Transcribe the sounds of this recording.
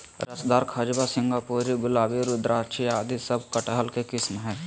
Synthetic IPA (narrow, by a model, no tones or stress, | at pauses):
ɾɐsd̪aːɾkʰad͡ʒbasɪ̃ŋɡaːpoːɾiɡʊlaːbiɾʊd̪ɾʔaːt͡ʃʰiaːd̪isɐb̚kɐʈəɦəlkekɪsmɦɛː